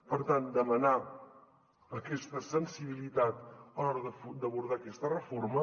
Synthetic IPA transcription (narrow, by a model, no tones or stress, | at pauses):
pəɾt̪and̪əməna | əkɛst̪əsənsiβilit̪at̪əlɔɾəðəd̪əβuɾð̞akɛst̪ərəfoɾmə